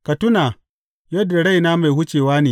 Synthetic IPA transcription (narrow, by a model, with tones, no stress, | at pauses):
kɐ˨tʊ˦naː˨ | jɐ˦dːa˨ɽa˦jnaː˦ma˨jhʊ˦t͡ʃeː˨waː˦neː˨